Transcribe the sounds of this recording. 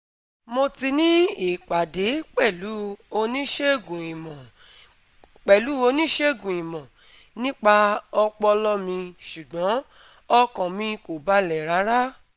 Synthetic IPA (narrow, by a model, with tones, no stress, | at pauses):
mo˧ti˧nĩ˦i˦˨k͡pa˨de˨˦k͡pɛ˦˨lu˨˦o˧nĩ˦ʃe˦ɡũ˨ĩ˨mɔ̃˨ | k͡pɛ˨lu˨˦o˧nĩ˦ʃe˦˨ɡũ˨ĩ˨mɔ̃˨ | nĩ˦k͡pa˧ɔ˧k͡pɔ˧lɔ˦mĩ˧ʃu˨ɡ͡bɔ̃˨˦ | ɔ˦kɔ̃˨mĩ˧ko˨ba˨˦lɛ˨ɾa˨˦ɾa˦